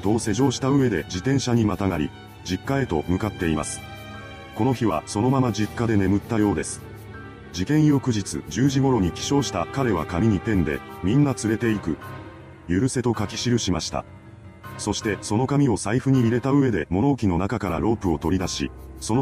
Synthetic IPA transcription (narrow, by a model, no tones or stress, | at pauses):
d̪o̞ːse̞ʑo̞ːɕi̥t̪aɯ̟e̞d̪e̞d͡ʑit̪ẽ̞ɰ̃ɕaɲ̟imat̪aŋaɾʲḭ | d͡ʑikːae̞t̪o̞̰mɯ̟kat̪ːe̞ima̰sɨ̥ | ko̞no̞çiβ̞a̰so̞no̞mamad͡ʑikːad̪e̞ne̞mɯ̟t̪ːajo̞ːd̪e̞sɨ̥ | d͡ʑikẽ̞ɰ̃jo̞kɯ̟ʑit͡sɨ̰d͡ʑɨːʑiɡo̞ɾo̞ɲ̟ikʲi̥ɕo̞ːɕi̥t̪akaɾe̞β̞a̰kamʲiɲ̟ip̪ẽ̞nd̪e̞̰mʲĩnːat͡sɨɾe̞t̪e̞ikɯ̟ | jɯ̟ɾɯ̟se̞t̪o̞kakʲi̥ɕiɾɯ̟ɕimaɕi̥t̪a̰ | so̞ɕi̥t̪e̞so̞no̞kamʲio̞saiɸɯ̟ɲ̟iːɾe̞t̪aɯ̟e̞d̪e̞mo̞no̞ːkʲino̞nakakaɾa̰ɾo̞ːpɯ̟o̞t̪o̞ɾʲid̪aɕḭso̞n